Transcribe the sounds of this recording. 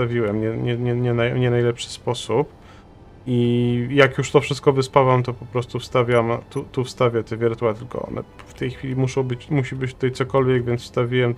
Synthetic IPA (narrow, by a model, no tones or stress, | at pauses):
t̪avʲiwɛmɲɛɲɛɲɛɲɛnajɲɛnajlɛpʂɘ̥spɔsup | ijakjuʂt̪ɔfʂɘst̪̚kɔvɘspawamt̪ɔpɔpɾɔst̪ufst̪avʲamt̪ut̪ufst̪avʲjat̪ɛvʲɛɾt̪uwat̪ɘlkɔ̰ɔ̰nɛ̰ft̪ɛjxfʲilʲimuʂɔ̃w̃bɘt͡ɕmuɕibɘt͡ɕt̪ut̪ajt̪sɔkɔlvʲjɛɡvʲjɛnt̪fst̪avʲiwɛm